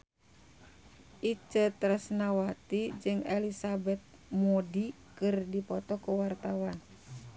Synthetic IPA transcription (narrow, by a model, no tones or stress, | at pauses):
ʔit͡ʃət̪ɾasnawat̪id͡ʒɨŋɛlisabɛt̪̚ | mɔdi | kɨrdipɔt̪ɔkuwart̪awan